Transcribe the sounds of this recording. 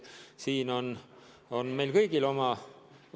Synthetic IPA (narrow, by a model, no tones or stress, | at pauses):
siːno̞n | o̞nme̞jlkɤjɡ̥ilo̞mɑ